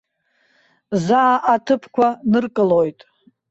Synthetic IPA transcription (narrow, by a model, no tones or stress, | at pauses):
zaːʔatʰɨpʰkʷʰanɨrkʼɨlojtʼ